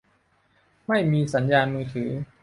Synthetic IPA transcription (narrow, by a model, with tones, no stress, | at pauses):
ma˥˩jmiː˧sa˩˦njaː˧nmɯː˧t̪ʰɯː˩˦